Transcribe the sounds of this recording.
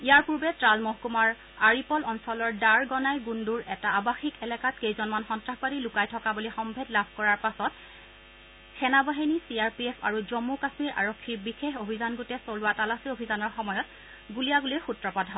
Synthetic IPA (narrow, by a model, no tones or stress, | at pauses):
ijaɹpuɹbɛtɹalmoɦkumaɹ | aɹipɔlɔnsɔlɔɹdaɹɡɔnajɡunduɹɛtaːbaxikɛlɛkatkejzɔnmanxɔntɹahpaɾilʊkajtʰɔkabulixɔmbʱedlabʱkɔɹaɹpasɔt | xɛnabaɦinisiaɹpiepʰa̰ɹuzomːukasmiɹʔa̰ɹokʰːiɹbixexobʱizanɡotɛsolʊatalasiobʱizanɔɹxɔmɔjɔt | ɡulijaɡulixutɹɔpadʱɦɔ